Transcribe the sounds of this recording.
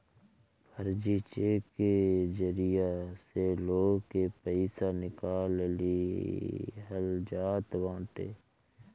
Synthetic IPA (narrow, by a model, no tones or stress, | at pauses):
pʰəɾd͡ʒit͡ʃeːked͡ʒəɾijaseloːɡkepəɪsanɪkaːlli | ɦəld͡ʒaːt̪wãːʈ̪ḛː